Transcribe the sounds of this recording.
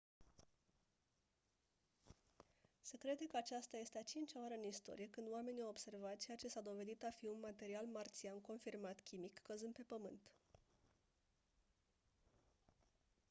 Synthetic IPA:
se̞kɾe̞d̪e̞kəat͡ʃast̪aje̞st̪eat͡ʃint͡ʃʲaoaɾeɨnist̪o̞̰ɾije̞kɨnd̪oame̞niawobse̞rvat̪t͡ʃeat͡ʃe̞sad̪o̞ve̞d̪it̪afiunmat̪e̞ɾialmart̪sianko̞nfirmat̪kʲimikːəzɨnd̪̚pe̞pəmɨnt̪

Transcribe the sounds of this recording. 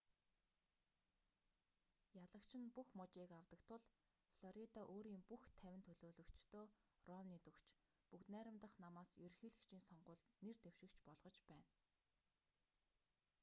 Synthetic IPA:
jaɮə̆kt͡ɕʰɪ̆npuxmɔt͡ɕiːkawt̪ə̆kt̪ʰʊɮ | fɮɔɾit̪aʔoːɾiːmpuxt̪ʰæwʲɪ̆nt̪ʰɵɮoːɮɵ̆kt͡ɕt̪ʰoːrɔwniːt̪ɵkt͡ɕ | pukt̪næːɾʲə̆mt̪ə̆χnamaːsjɵrxiːɮɘ̆kt͡ɕʰiːnsɔɴɢʊːɮnert̪ew̥ʃɪ̆kt͡ɕpɔɮʁɞ̆t͡ɕpæːn

